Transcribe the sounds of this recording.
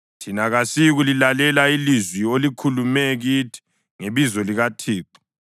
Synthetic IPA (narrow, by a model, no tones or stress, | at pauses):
tʰinaɣasiɣulilalɛlailizwiolikʰulumɛɣitʰi̥ | ŋeβizɔliɣatʰiːǃu̥